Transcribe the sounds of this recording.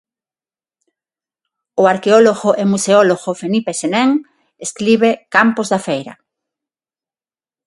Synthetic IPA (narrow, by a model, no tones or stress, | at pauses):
ʊaɾkeoloɣoʔemuseoloɣofenipesenɛŋ | eskɾiβekampozðafejɾɐ̰